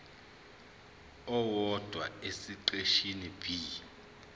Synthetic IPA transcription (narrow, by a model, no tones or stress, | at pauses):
ɔwɔd̥ʱwa̰esiǃeʃinib̥ʱi